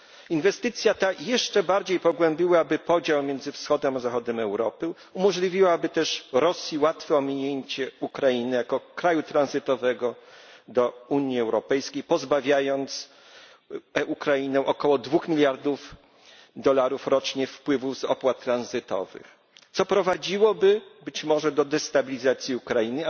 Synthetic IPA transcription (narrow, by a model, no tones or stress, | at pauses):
invɛst̪ɘt̪sʲjat̪ajɛʂt͡ʂɛbaɾd͡ʑejpɔɡwɛmbʲiwabɘpɔd͡ʑawmʲjɛnzɘfsxɔd̪ɛmazaxɔd̪ɛmɛwɾɔpɘ | umɔʐlʲivʲiwabɘt̪ɛʂɾɔsʲjiwat̪fɛɔmʲiɲeɲt͡ɕɛukɾajinɪjakɔkɾajut̪ɾanzɘt̪ɔvɛɡɔd̪ɔuɲiɛwɾɔpɛjskʲejpɔzbavʲjajɔnt̪s | ukɾainɛ̃ʔɔkɔwɔd̪vuxmʲilʲjaɾd̪uf | d̪ɔlaɾufɾɔt͡ʂɲɛfpwɘvuzɔ̰pwat̪ːɾanzɘt̪ɔ̰vɘ̰x | t̪sɔpɾɔvad͡ʑiwɔbɘbɘt͡ɕmɔʐɛd̪ɔd̪ɛst̪abʲilʲizat̪sʲjiukɾainɘ